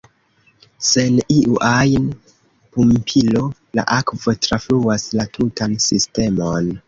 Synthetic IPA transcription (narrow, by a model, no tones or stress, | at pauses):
se̞niʔuʔajn | pumpʰilo̞la̰ʔakvo̞tɾafluaslatʰutansiste̞mo̞n